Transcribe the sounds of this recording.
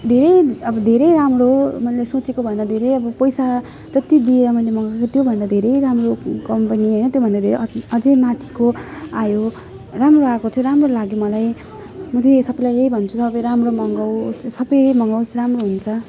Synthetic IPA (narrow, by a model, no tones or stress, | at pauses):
d̪ʱeɾʌjʌbʌd̪ʱeɾʌjɾamromʌlesot͡sekobʱʌnd̪ad̪ʱeɾejʌbʌpʌjsa | t̪ʌt̪jid̪ieɾʌmʌjlemʌŋɡokot̪jobʱʌnd̪ad̪ʱeɾʌjɾamrokʌmpʌniɦʌjnʌt̪jobʱʌnd̪ad̪ʱeɾeʌd͡zʌmat̪ʰi̥koajo | ramroakot̪ʰjoɾamrolaɡjomʌlaj | mʌd͡zesʌbʌlajeibʱʌnt͡sʰusʌbʌjɾamromʌŋɡʌwssʌbʌjmʌŋɡʌwsramroɦunt͡sʰʌ